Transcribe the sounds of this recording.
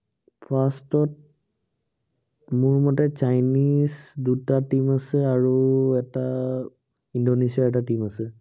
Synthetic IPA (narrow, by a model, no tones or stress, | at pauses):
pʰastɔt̚ | mʊɹmɔtɛt͡ʃajnisdutatimasɛaɹuɛta | indonesiaɹɛtatimasɛ